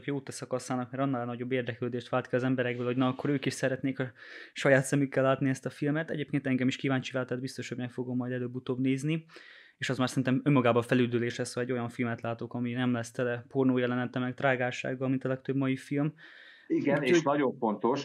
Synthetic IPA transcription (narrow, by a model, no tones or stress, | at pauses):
kjoːt̪ɛsɒkɒsaːnɒkmɛɾɒnːɒlɛnɒɟo̞bːeːrd̪ɛkløːd̪eːʃt̪ʋaːlt̪kiɒzɛmbɛɾɛɡ̚bøːlhoɟnɒːkːo̞ɾøːkiʃsɛɾɛt̪neːkɒʃɒjaːt̪sɛmykːɛlːaːt̪niɛst̪ɒfilmɛt̪ɛ̰ɟeːp̚keːnt̪ɛŋɡɛmiʃkivaːnt͡ʃivaːlt̪ɛd̪̚bist̪o̞ʃhoɟmɛkfoɡomːɒjd̪ɛløːbːut̪oːbneːzni | eːʃɒzmaːrsɛɾinɛmø̞mːɒɡaːbɒfɛlyd̪yleːʃlɛshoɛɟːo̞jɒɱfilmɛt̪laːt̪okɒminɛmlɛst̪ɛlɛpornoːjɒlɛnɛnt̪ɛmɛkt̪raːɡaːʃa̰ːɡːɒlmint̪ɒlɛkt̪øbmɒifilm | iɡɛnenɒɟo̞ɱfo̞nt̪o̞ʃ